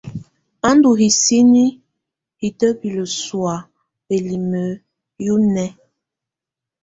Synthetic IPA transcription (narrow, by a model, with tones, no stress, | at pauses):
a˦ndu˨ɦi˨si˦ni˦ | hi˨tə˦bi˨lə˨swa˨ | be˨li˨mə˨˦ | ju˦nɛ˦